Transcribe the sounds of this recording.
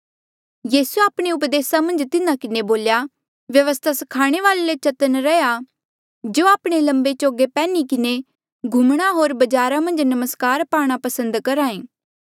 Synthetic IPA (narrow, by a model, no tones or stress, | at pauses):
jiːsuaːpɽ̃eʊpd̪eːsamɐ̃nd͡ʒt̪ɪnãkɪneboːlja | ʋjɐʋəst̪ʰasɐ̥kʰaːɽ̃eʋaːlelet͡ʃɐt̪ənɾɛja | d͡ʒoːaːpɽ̃elɐ̃mbet͡ʃoːɡepɛːnikɪne | ɡʱumɽ̃aɦoːɾbɐd͡ʒaːɾamɐ̃nd͡ʒnɐməskaːɾpaːɽ̃apɐsə̃nd̪kɐɾãːẽː